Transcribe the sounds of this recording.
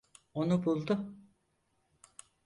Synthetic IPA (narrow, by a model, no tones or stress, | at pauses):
onubulˠd̪ʊ